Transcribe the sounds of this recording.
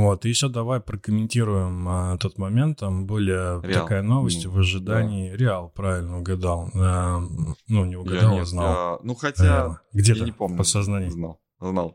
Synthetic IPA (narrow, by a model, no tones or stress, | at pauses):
vo̞t̪ɨɪɕod̪ɐvajpɾəkəmʲɪnʲtʲiɾʊjɪmət̪o̞t̪mɐmʲe̞nt̪ːambɨlʲɪt̪ɐkajəno̞vəsʲtʲvəʐɨd̪anʲɪːɾʲɪalˠpɾavʲɪlʲnəʊɡɐd̪alˠə | nunʲɪʊɡɐd̪alˠznalˠnuxɐtʲaɡdʲet̪əɪpomnʲpət̪sɐznanʲɪjnalˠ | znalˠ